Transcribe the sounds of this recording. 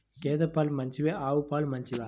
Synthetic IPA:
keːðɐpːaːlmɐɲt͡ʃiʋeaːʋɯpːaːlmɐɲt͡ʃiʋa

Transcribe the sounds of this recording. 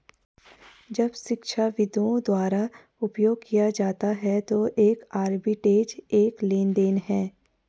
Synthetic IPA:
d͡ʒɐbʃɪkʃʰaʋɪd̪õd̪waːɾa | ʊpjoːɡkijad͡ʒaːt̪aɦɛt̪oʔeːkaːɾbɪʈeːd͡ʒeːkleːnd̪eːnɦɛː

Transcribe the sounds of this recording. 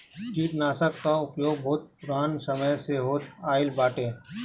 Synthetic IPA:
t͡ʃiːt̪naːsəkːaʊpjoːɡ̚bʱoːt̪̚pʊɾaːnsɐməjseɦoːt̪aːɪlbaːʈẽː

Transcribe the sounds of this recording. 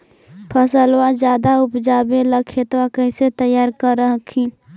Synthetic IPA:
pʰəsəlwad͡ʒjaːd̪aʊpd͡ʒaːbeləkʰet̪wakəɪset̪əjaːɾkəɾːəɦəkʰi

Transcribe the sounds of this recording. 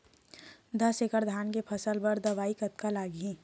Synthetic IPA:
d̪əsekəɾd̪ʱaːnkepʰəsəlbəɾd̪ɐʋaːikət̪kalaːɡĩ

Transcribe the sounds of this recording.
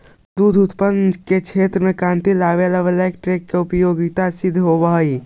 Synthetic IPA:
d̪ud̪ʱut̪pənket͡ʃʰeːt̪ɾəmẽkɾãːnt̪ilaʋeləʋelek̚ʈɾɪkːeʊpəjoɡit̪asɪd̪ʱɦobəɦəi

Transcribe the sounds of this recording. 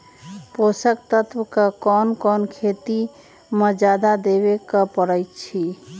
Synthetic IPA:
posək̚t̪ət̪wkəkɔnkɔnkʰet̪i | məd͡ʒad̪ad̪eβekəpəɾəjt̪t͡ʃʰi

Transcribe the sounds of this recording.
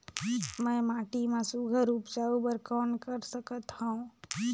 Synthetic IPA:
mə̃ːmaːʈimẽsuɡʱəɾupd͡ʒaubəɾkɔːnkəɾsəkət̪haũ

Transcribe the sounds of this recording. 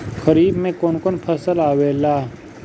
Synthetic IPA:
xəɾiːbmẽkoːnkoːnpʰɐsəlaːʋeːlaː

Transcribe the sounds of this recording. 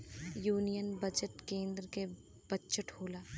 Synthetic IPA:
juːnijənbɐd͡ʒəʈkẽːnd̪ɾke | b̥ɐt͡ʃəʈhoːlaː

